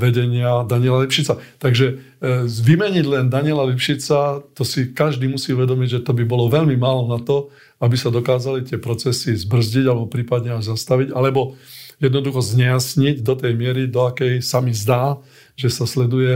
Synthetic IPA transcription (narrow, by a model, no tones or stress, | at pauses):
ʋɛɟɛɲɪad̪aɲiɪɛlalipʃit͡sat̪aɡʒɛ | ʋimɛɲiɟlɛnd̪aɲɪɛlalipʃit͡sat̪ɔsikaʒd̪iːmusiːuʋɛd̪ɔmiɟʒɛt̪ɔbibɔlɔʋɛʎmimaːlɔnat̪ɔ | abisad̪ɔkaːzalit̪ɪɛpɾɔt͡sɛsizbr̩zɟiɟalɛbɔpɾiːpad̪ɲɛaʒzast̪aʋiɟalɛbɔjɛd̪nɔd̪uxɔzɲɛjasɲiɟd̪ɔt̪ɛjmɪɛɾid̪ɔakɛjsamizd̪aː | ʒɛsaslɛd̪ujɛ